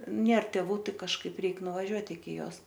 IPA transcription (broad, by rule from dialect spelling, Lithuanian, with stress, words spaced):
ˈnʲeːr tʲɛˈʋuː ˈtɐɪ kɐʃˈkɐɪp ˈrʲɛɪk nʊʋɐˈʒʲuɔt ɪkʲɪ ˈjoːs